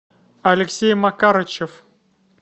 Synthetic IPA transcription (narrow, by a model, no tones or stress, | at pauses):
ɐlʲɪksʲejmɐkaɾət͡ɕɪf